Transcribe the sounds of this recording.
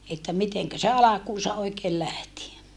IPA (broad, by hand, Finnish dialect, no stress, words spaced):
etːæ miteŋkæ se ɑlɑkuːsɑ oikeːl læhti